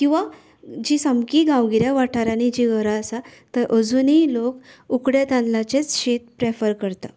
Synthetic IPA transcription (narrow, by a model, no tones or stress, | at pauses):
kĩw̃ʋa | d͡ʑisəmkiɡãwɡiɾjaʋaʈʰaɾaɽ̃id͡ʑiɡəɾaəsat̪əɾʔəd͡zunilokukɽjet̪ãnlat͡ɕet͡sɕet̪pɾefəɾkəɾt̪a